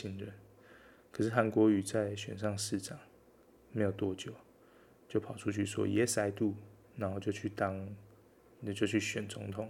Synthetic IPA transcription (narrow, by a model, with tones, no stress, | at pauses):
i˧˥ŋɻə˥˨n | kʰəɤ˨˩ʂɻ̩˥˩ɦa˧˦nkwɔ˧˥y˨t͡sa˥˨ɪɕɥɛ̰˨˩nʂ̬ɑ˥˧ŋʂɻ̩˥˨ʈ͡ʂɑ˨˩˦ŋ | me˧˥ɪjo˨˩ʊt̪wɔ˥˧t͡ɕjo˨˩˦ʊ | t͡ɕjo˥˩ʊpʰɑ˨ʊʈ͡ʂʰu˦t͡ɕʰy̰˥˩swɔ̰˦jɛ˨˦sa˧˥ɪt̪u˥˨ | na˧˥nxo˥˧ʊt͡ɕjo˥˧ʊt͡ɕʰy˥˩t̪ɑ˦ŋ˧ | t͡ɕjo˥˧ʊt͡ɕʰy˥˩ɕɥɛ˨˩nt͡so˧˥ŋt̪ʰʊ˨˩˦ŋ